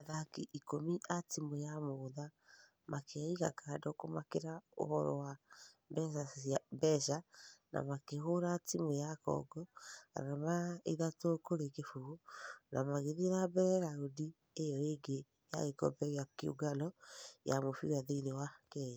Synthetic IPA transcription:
aðakiʔikomiʔatimojamoða | makʰeiɣa̰kaːdɔkomakeɾao̰hɔɾɔ̰wa | bɛʃaabɛʃanʔa̰makeɦoɾatimojakɔ̰ɡɔa̰amaeðatokoɾekefuɣonamaɣeðiɾabɛɾɛɾaudi | ejɔeɡe | ja̰ɣekɔ̰bɛɣakio̰ɡalɔja̰mofiɾaðeinewakɛja

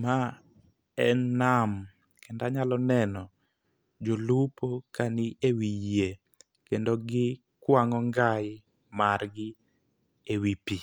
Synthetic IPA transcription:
ma | ɛnam | kʰɛndaɲalɔnɛnɔ | d͡ʒolupokanɪewije | kendoɡɪ | kwaŋɔŋɡaj | marɡɪ | ewipi

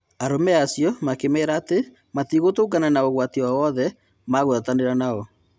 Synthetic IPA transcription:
aɾomɛaːsjɔmakemɛːɾaːte | matiɣotoːɡananaoɣwatiwawɔðɛ | maɣoðataneɾanaɔ

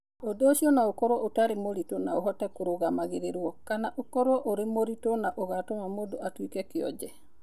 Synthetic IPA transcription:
odoːʃiɔnaokɔɾwɔʔotaɾemoɾitonaoɦɔtɛkoɾoɣamaɣeɾeɾwɔkanaʔokɔɾwɔʔoɾemoɾitonaʔoɣatomamodoʔatwikɛkeɔ̰d͡ʒɛ

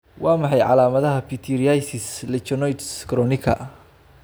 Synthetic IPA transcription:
wɑːmɑħɑjʕɑlaːmɐðɐɦɐpʰit̪ʰiɾijajsɪslɛt͡ʃɔnɔjt̪skʰɾɔnɪkʰɐ̰

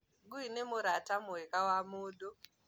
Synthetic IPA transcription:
ɡuinemuɾatamuekawamuːɗo

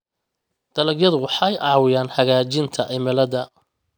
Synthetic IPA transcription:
d̪̥ɐlɐɡjɐðʊwɑħɑjʔɑʕwɪjaːnhɐɣaːt͡ʃɪnt̪ʰɐʔɪmɪlɐðɐ

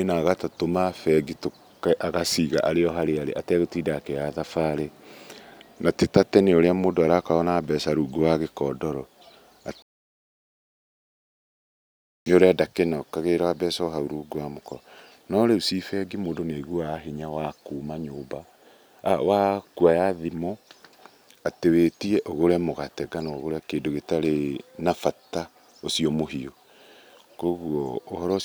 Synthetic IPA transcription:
enaːɣatatomafɛɡito | kʔaɣasiːɣaʔaɾeɔɦaɾeaɾḛʔatɛɣotiːdaːkɛjaðafaːɾe | natetatɛneoɾeamoːndoaɾakaɔnaːbɛsaɾuːɡowaɣekɔːdɔɾɔ | neoɾeadakenaokaɣeɾaabɛsɔoɦauɾuːɡowamokɔ | nɔɾeusifɛɡimoːndoneɣwaɦiɲawakuːmaɲoːmbaː | wakuajaðimɔ | atewetiɛʔoɣoɾamoɣatɛɡanaoɣoɾeakeːndoɣetaɾenafata | osiɔmoɦio | koɣuɔːhɔɾɔ

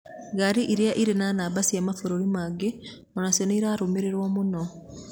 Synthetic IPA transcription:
ɡaɾiʔiɾjaʔiɾenaːnabasijamafoɾoɾimaɡe | onaseniɾaɾumiɾeɾwomuno

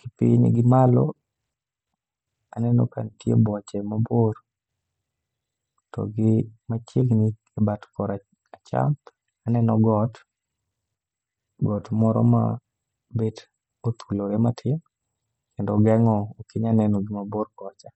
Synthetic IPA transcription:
kɪpɪ̰ɲɡɪmalɔ̰ | a̰nɛnɔ̰ka̰ntjḛbɔt͡ʃɛmabor | tɔ̰ɡɪmat͡ʃeɡni | ɛbatkɔɾa | at͡ʃa̰m | anɛnɔɡɔt | ɡɔtmɔɾɔ̰ma̰ | bed | ot̪ʰuloɾematʰɪm | kendɔɡɛŋɔːkɪɲanɛnɔɡɪmaborkɔt͡ʃa

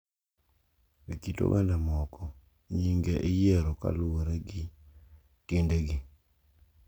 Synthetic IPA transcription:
wikito̰wɛ̰ndamɔkɔ | ɲiŋɡeʔijɛɾoka̰lʊoɾeɡi | tendeɡi

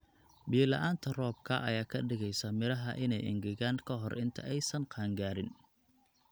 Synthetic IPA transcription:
biːlɐ̰ʔaːnt̪ʰɐrɔːb̚kʰɐʔɐ̰jaːkʰɐɖɪɣɛjsɐmɪɾɐɦɐʔɪnɛjʔɪ̰ŋɡɪɣaːŋkʰɐɦɔrʔɪnt̪ʰɐ̰ɛjsɐnqɑːŋɡaːɾɪn

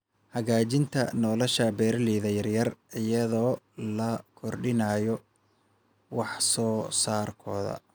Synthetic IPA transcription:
hɐɣaːt͡ʃɪnt̪ʰɐ̰nɔːlɔʃɐbɛːɾliːðɐjɐrjɐrɪjɐðɔː | lɐkʰɔrɖɪnaːjɔ | wɑħsɔːsaːrkʰɔːðɐ̰

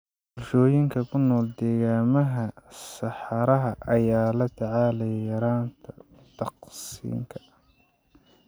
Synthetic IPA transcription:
bʊrʃɔːjɪŋkʰɐkʰʊnːɔːld̪ɛːɣaːmɐɦɐsɑħɑɾɐɦɐʔɐjaːlɐt̪ʰɐʕaːlɛjjɐɾaːnt̪ʰɐ | t̪ʰɑqsḭːŋkʰɐ̥

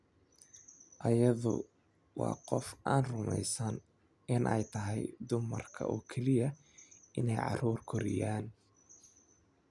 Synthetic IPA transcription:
ʔɐjɐðʊ̰ | wɑ̰ːqɔfʔaːnrʊmɛjsɐn | ʔɪnʔɛ̰jt̪ʰɐɦɛjd̪ʊmɐrkʰɐ̰ʔɔːkʰɛlɪjɐ | ʔɪnɛjʕɑ̰ruːrkʰɔɾɪ̰jaːn

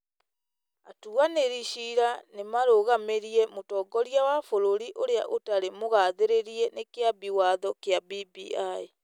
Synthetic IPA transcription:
atuaneɾiʃiɾanemaɾoɣameɾiɛmotɔɡɔɾjawafoɾoɾiʔoɾeaʔotaɾemoɣaðeɾeɾiɛnekeabiwaðɔkeabibiae

